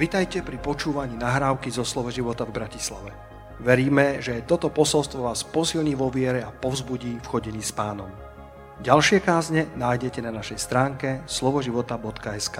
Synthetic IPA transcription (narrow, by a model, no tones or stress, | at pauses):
ʋit̪ajcɛpɾipɔt͡ʃuːʋaɲiːnaɦɾaːʊkizɔslɔʋɛʒiʋɔt̪avbɾacisla̰ʋɛ | ʋɛɾiːmɛʒɛjɛt̪ɔt̪ɔpɔsɔlst̪ʋɔʋaːspɔsilɲiːʋɔʋɪɛɾɛapɔvzbuɟiːfxɔɟɛɲiːspaːnɔm | ɟalʃɪɛkaːzɲɛnaːjɟɛcɛnanaʃɛjst̪ɾaːŋkɛslɔʋɔʒiʋɔt̪abɔt̪kaɛskaː